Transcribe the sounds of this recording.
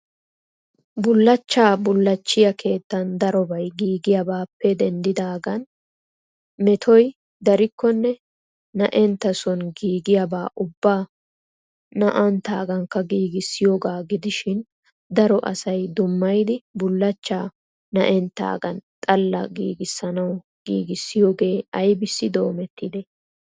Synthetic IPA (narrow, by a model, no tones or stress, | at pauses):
bʊlːɐt͡ʃːaːbʊlːɐt͡ʃːɪjɐkʰe̞ːt̪ːɐnd̪ɐɾɔbɐjɡiːɡɪjɐbaːpːɛd̪ɛnd̪ɪd̪aːɡɐn | mɛt̪ʰɔj | d̪ɐɾɪkːɔnːɛ | nɐʔɛnt̪ːɐsɔnɡiːɡɪjɐbaːʔʊbːaː | nɐʔɐnt̪a̰ːɡɐŋkːɐɡiːɡɪsːɪjoːɡaːɡɪd̪ɪʃɪn | d̪ɐɾɔʔɐ̰sɐjd̪ʊmːɐjd̪ɪbʊlːɐt͡ʃːaː | nɐʔɛnt̪ːa̰ːɡɐnt̪ʼɐlːɐ̰ɡiːɡɪsːɐnɐw | ɡ̥ḭːɡɪsːɪjoːɡe̞ːɐjbɪsːɪd̪o̞ːmɛt̪ːɪd̪ɛ